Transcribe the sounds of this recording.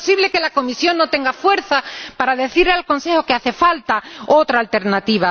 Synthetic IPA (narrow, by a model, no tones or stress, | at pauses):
siβle̞ke̞lako̞misjo̞ŋnːo̞t̪e̞ŋɡafwe̞ɾθapaɾaðe̞θiɾlealkõ̞nse̞xokeaθe̞falt̪aot̪ɾaːlt̪e̞ɾnat̪iβ̞a